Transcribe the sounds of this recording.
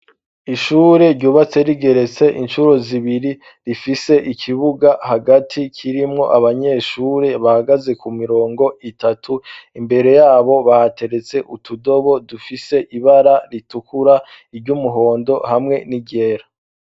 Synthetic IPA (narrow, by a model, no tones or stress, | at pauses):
iʃuːɾe̞ɾɟuːβat͡se̞ɾiɡe̞ɾe̞t͡se̞ʔinʃuɾo̞ziβiɾi | ɾifise̞ʔikʰiβuɡahaɡatʰikʰiɾimŋo̞̰ʔaβaɲe̞ːʃuːɾe̞βahaɡaze̞kumiɾo̞ːŋɡo̞ʔitatʰuimbe̞ɾe̞jaːβo̞βahate̞ɾe̞t͡se̞ʔutʰudo̞βo̞dufise̞ʔiβaɾaɾitukuɾa | iɾɟumuɦo̞ːndo̞hamŋe̞niɟe̞ɾa